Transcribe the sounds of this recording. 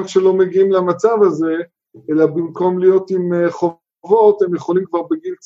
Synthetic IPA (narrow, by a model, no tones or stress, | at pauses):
ʃelo̞meɡiimlamat͡savaze | elabimko̞mlijo̞timeχo | vo̞themjeχolimkvaʁbeɡil